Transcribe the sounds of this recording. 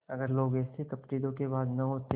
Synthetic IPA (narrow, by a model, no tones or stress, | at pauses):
ɐɡəɾloːɡɛːsekɐpʈiːd̪õkebaːd̪nɐɦot̪e